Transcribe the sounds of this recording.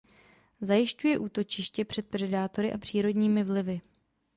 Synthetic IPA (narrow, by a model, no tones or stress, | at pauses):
zajɪʃcujɛʔuːt̪o̞t͡ʃɪʃcɛpr̝̥ɛt̪̚pɾɛdaːt̪o̞ɾɪʔapr̝̥iːɾo̞dɲiːmɪvlɪvɪ